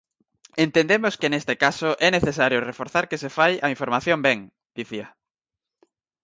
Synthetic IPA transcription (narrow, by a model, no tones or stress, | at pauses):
ent̪end̪emoskenest̪ekasoʔɛneθesaɾjʊrefoɾθaɾkesefajaiɱfoɾmaθjõmbɛŋ | d̪̥iθiɐ